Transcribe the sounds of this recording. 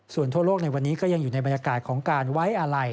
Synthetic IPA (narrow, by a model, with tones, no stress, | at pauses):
su˨˩ənt̪ʰu˥˩ɐloː˥˩k̚na˧jwa˧nːiː˦˥kɔː˥˩ja˧ŋjuː˨˩na˧jba˧njaː˧kaː˨˩t̪̚kʰɔː˩˦ŋkaː˧nwa˦˥jʔa˧ɾa˧j